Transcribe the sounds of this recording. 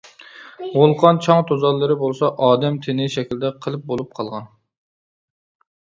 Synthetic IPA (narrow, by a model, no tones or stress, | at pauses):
ʁolˠqʰɑnt͡ʃʰɑŋt̪ʰozɑlˠːɨɾɨbolˠsɑʔɑːd̪ɛmt̪ʰɪnɪʃɛkʲild̪ɛqʰəlˠɨp̚bolˠup̚qʰɑlˠʁɑn